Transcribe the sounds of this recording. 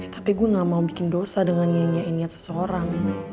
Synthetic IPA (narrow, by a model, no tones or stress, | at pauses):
t̪ḁpiɡuaŋamaubikɪndosadəŋanɲaɲainiat̪̚sə̥səoɾaŋ